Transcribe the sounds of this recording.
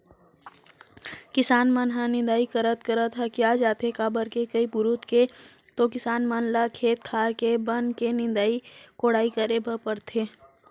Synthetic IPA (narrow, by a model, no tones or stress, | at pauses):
kɪsaːnmənɦãnɪ̃nd̪aːikəɾət̪kəɾət̪ɦɐkjad͡ʒaːt̪ekaːbəɾkekəipʊɾut̪ke | t̪okɪsaːnmənlakʰeːt̪̚kʰaːɾkebənkenɪ̃nd̪aːikoːɽaːikəɾebəpəɾt̪ʰeː